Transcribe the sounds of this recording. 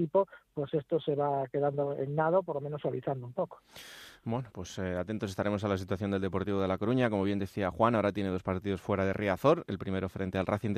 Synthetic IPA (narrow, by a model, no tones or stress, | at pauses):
ipopwe̞se̞st̪ose̞βake̞ðand̪oennaðopoɾlomenosaβiθand̪oumpoko̥bwe̞nopwe̞seat̪e̞nt̪ose̞st̪aɾe̞mosalas̬it̪waθjo̞nd̪eld̪epo̞ɾt̪iβo̞ðe̞lako̞ɾuɲako̞mo̞β̞je̞nd̪e̞θiaxwanaoɾat̪je̞neðo̞spaɾt̪iðo̞sfwe̞ɾaðe̞̰rʔiaθo̞ɾe̞lpɾime̞ɾo̞fɾe̞nt̪e̞alraθin